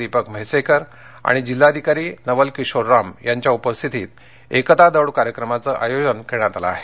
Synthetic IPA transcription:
ipəkm̤əjsekəɾ | a̰ɽ̃id͡ʑilːad̪ʱikaɾiːnəʋəlkiɕoɾːamjaɲt͡ɕjaupəst̪ʰit̪iːt̪̚ | ekət̪ad̪əwɽkaɾjəkɾəmat͡səʔajod͡ʑənkʰeɽ̃at̪ala̰ːɦe

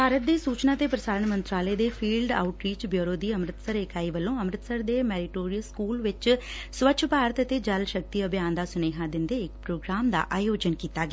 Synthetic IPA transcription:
bʱaːɾət̪̚d̪eːsuːt͡ʃnaːt̪eːpɾəsaːɾəɳmənt̪ɾaːleːd̪eːpʰiːlɖa̰ːʊʈɾiːt͡ʃbjoːɾoːd̪iːəmɾɪt̪səɾeːkaːiːʋəlːõːəmɾɪt̪səɾd̪eːmɛːɾɪʈoːɾijəlskuːlʋɪt͡ʃ | sʋət͡ʃʃʰpaːɾət̪ət̪eːd͡ʒəlʃək̚t̪iːəbjaːnd̪aːsʊneːɦãːd̪ɪnd̪eːɪkpɾoːɡɾaːmd̪a̰ːʔaːjoːd͡ʒənkiːt̪aːɡea

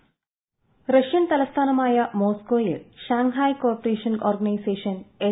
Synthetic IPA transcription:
ɾɐʃjɐnt̪ɐlɐst̪ʰaːnɐmaːjɐmoːskoːjɨʃaːŋɦaːjkoːɾpɐɾeːʃɐnoːɾɡɐnɐjseːʂɐne

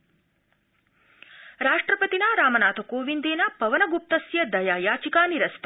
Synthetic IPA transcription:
ɾaːʂʈɾɐpɐt̪inaɾaːmɐnaːt̪ʰɐkoːʋind̪eːnɐpɐʋɐnɐɡup̚t̪ɐsjɐd̪ɐjaːjaːt͡ʃikaːniɾɐst̪

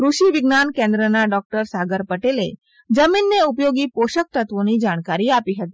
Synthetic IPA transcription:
kɾuʃiʋɪɡnankẽnd̪ɾənaɖɔk̚ʈəɾsaɡəɾpəʈele | d͡ʒəminːeup̬joɡipoʃək̚t̪ət̪ʋonid͡ʒaɽ̃kaɾiapiɦət̪iː

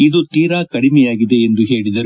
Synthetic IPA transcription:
id̪ut̪iːɾaːkɐɽimɛjaːɡid̪e̞ːnd̪uɦe̞ːɭid̪ɐɾ

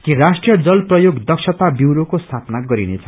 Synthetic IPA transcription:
kirasʈrijʌd͡zʌlprʌjoɡd̪ʌksʰʌt̪abjiwɾokost̪ʰapnaɡʌɾinet͡sʰʌ

